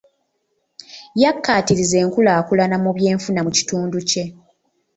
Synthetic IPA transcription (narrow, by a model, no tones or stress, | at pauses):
jakːaːtiɾize̞ːŋkulaːkulanamuβje̞ːɱfunamuci̥tuːnduce̞